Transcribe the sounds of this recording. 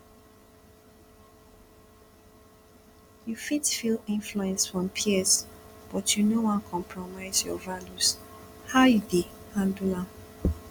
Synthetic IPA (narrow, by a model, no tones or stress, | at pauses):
jufitfilĩnfluɛ̃nsfɹɔ̃mpʰiɛsb̥ɔtʰjunowɔ̃nkʰɔ̃mpʰɹɔmaɪzjɔ̰valus | haʊjude | hãndulã